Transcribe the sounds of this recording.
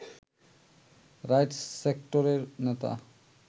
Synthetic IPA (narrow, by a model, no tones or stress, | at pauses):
ɾajʈsːekʈoɾeɾnet̪a̰